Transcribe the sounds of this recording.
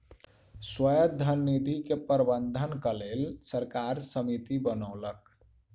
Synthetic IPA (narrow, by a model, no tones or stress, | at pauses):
swəjəd̪ʱənːid̪ʱikepəɾbənd̪ʱənkəlelsəɾkaɾsəmit̪ibənəʊlək